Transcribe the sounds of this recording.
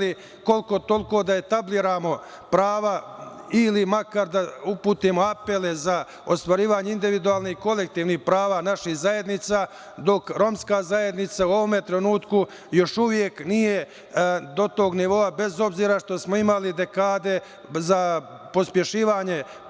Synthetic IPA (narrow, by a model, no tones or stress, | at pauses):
li | ko̞lko̞t̪o̞lko̞d̪ae̞t̪abliːɾaːmo̞ | pɾaːʋailimakaɾd̪aupuːt̪imo̞ape̞le̞za | ost̪ʋaɾiːʋaːɲeind̪iʋid̪uaːlniko̞le̞k̚t̪iːʋnihpɾaːʋaːnaʃihzaje̞d̪nit̪saː | d̪o̞kɾo̞mskaːzaje̞d̪nit̪sauo̞ʋo̞me̞t̪ɾenuːt̪ku | jo̞ʃuʋje̞knije̞ | d̪o̞t̪o̞ːɡniʋo̞abe̞zo̞bziːɾaʃt̪o̞smo̞imalid̪e̞kaːd̪e̞ | za | po̞spje̞ʃiːʋaːɲe̞